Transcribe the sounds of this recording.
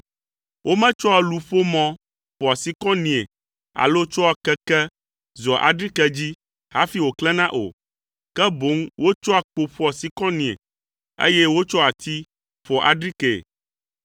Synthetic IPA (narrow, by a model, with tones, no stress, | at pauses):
wʔo˦mɛ̃˦t͡ʃɔ˦a˨lu˨ɸo˦mɔ̃˦ | ɸɔ˨a˨si˨˦kɔ̃˦nĩ˨ḛ˨ | a̰˨lo˦t͡ʃɔ˦a˨kɛ˦kɛ˦ | zɔ˨ʔa̰˨ɖɾi˦kɛ˦d͡ʑi˦ | ha̰˦fi˦wo˨klɛ˦nã˦ʔo̰˨ | kɛ˦bo˨˦ŋwo˦t͡ʃɔ˦a˨k͡po˨ɸɔ˦a˨si˦kɔ̃˦nĩ˨ḛ˨ | ḛ˦jɛ˦wo˦t͡ʃɔ˦a˨t̪ʰi˦ | ɸɔ˨ʔa̰˨ɖɾi˦kɛ˨